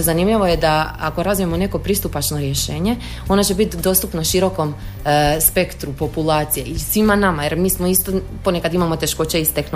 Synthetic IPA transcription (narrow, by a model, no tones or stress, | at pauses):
zanimʎiʋojed̪aa̰ko̞ɾazvije̞mone̞ko̞pɾist̪upat͡ʃno̞ɾjeʃe̞ːɲe | o̞nat͡ɕebit̪d̪o̞st̪upnaʃiɾo̞ko̞m | spe̞kt̪ɾupo̞pulˠaːt̪sijeisʋimanamajeɾmiːsmoist̪o | po̞nekad̪imamo̞t̪e̞ʃko̞t͡ɕeist̪exn